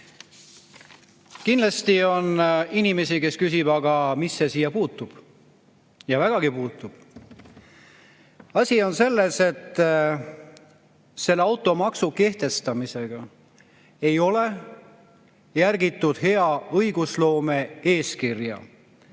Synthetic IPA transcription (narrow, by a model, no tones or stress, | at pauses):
kinlɑst̪io̞ninime̞sike̞skys̬ib̥ɑɡɑmisːe̞siːjɑpuːt̪ːˑub̥ | jɑvæɡ̥ɑɡ̥ipuːt̪ːˑub̥ | ɑsʲio̞nse̞lːe̞se̞t̪ːˑ | se̞lːeɑwt̪ːˑo̞mɑksuke̞ht̪e̞st̪ɑmise̞ɡ̥ɑ | e̞jo̞le̞ | jærɡit̪ːˑud̪̥he̞ɑɤjɡuslo̞ːme̞e̞ːskirjɑ̰